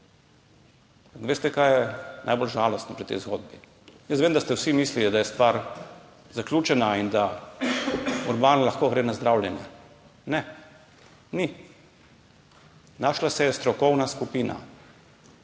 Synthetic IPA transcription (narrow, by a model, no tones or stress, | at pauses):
mpakʋeːst̪ɛkajɛna̰jbolʒaːlɔst̪nɔpɾit̪ɛ̰jzɡoːd̪̚bi | jəst̪ʋeːmd̪ast̪ɛwsimiːslilid̪ajɛst̪ʋaːɾ | zaklʲjuːt͡ʃɛnaind̪a | uɾbaːnlaxkoːɡɾeːnazd̪ɾawljɛnjɛ | nɛ | ni | naʃlasɛjɛst̪ɾɔkɔwnaskupiːna̰